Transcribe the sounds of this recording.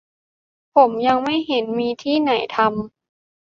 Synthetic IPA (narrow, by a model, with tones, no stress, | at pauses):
pʰo˩˦mja˧ŋma˥˩jɦe˩˦nmiː˧t̪ʰiː˥˩na˩˦jt̪ʰa˧m